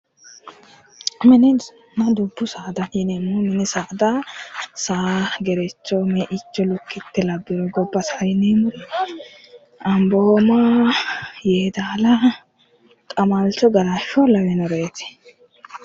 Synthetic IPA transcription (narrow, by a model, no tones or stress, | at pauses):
mɪnɪ | nɐd̪ʊbːʊsaːd̪ɐjɪnemʊmɪnɪsaːd̪ɐsaːɡɛɾɛt͡ʃːɔmɛʔɪt͡ʃːɔlʊkːɪt̪ːɛlɐbːɪɾɔɡɔbːɐsajɪnemʊ | ɐmboːma | jeːd̪aːlɐ | kʼɐmalt͡ʃɔɡɐɾaʃɔlɐwɛnɔɾeːt̪ɪ̥